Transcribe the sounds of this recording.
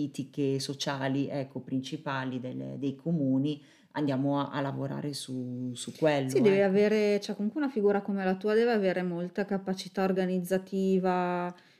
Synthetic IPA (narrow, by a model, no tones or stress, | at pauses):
iːt̪ikesot͡ʃaːliʔɛkʰːopɾint͡ʃipaːlid̪elːḛd̪ejkʰomuːni | and̪jaːmoaʔa̰lːavoɾa̰ːɾesusukːwelːsidd̪ɛːveaveːɾet͡ʃɛkːomuŋkweunafiɡuːɾakomelat̪uːad̪ɛːveaveːɾemolt̪akapat͡ʃit̪aorɡanid̪zːat̪iːva